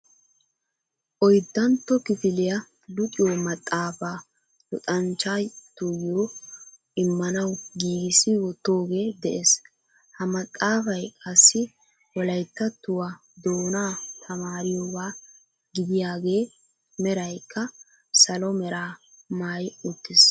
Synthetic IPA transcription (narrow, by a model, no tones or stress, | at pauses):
ʔɔjd̪ːɐnt̪ːɔkɪfɪlɪjɐ | lʊkʼɪjoːmɐt̪ʼːaːfaː | lɔt̪ʼɐnt͡ʃːaːjt̪ːʊjoː | ɪmːɐnɐwɡiːɡɪsɪwɔt̪ːoːɡe̞ːd̪ɛʔeːs | hɐmɐt̪ʼːaːfɐjkʼɐsːɪ | wɔlɐjt̪ːɐt̪ːʊwa | d̪oːnaːt̪ʰɐmaːɾɪjoːbaː | ɡɪd̪ɪjaːɡe̞ː | mɛɾɐjkːɐ | sɐlɔmɛɾaː | maːjʊt̪ːɪs